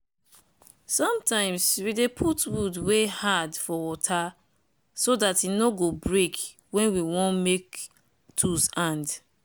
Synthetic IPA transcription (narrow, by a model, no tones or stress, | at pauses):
sɔ̃mtãɪ̃mswidepʰutwudwehadfɔwɔtʰa | sodatinoɡobɹek | wɛ̃nwiwɔ̃nmek | tʰusãnd